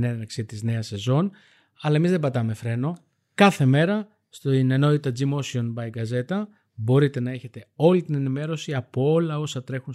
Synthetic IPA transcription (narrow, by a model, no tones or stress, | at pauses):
nenɐksit̪izne̞ɐse̞zo̞n | ɐlɐe̞mizðe̞bɐt̪ɐme̞fɾe̞no̞ | kɐθe̞me̞ɾɐ | st̪ineno̞t̪it̪ɐd͡zimo̞sio̞nbɐjɡɐze̞t̪ɐ | bo̞ɾit̪e̞nɐe̞çe̞t̪e̞o̞lit̪ine̞nime̞ɾo̞siɐpoo̞lɐo̞sɐt̪ɾe̞xun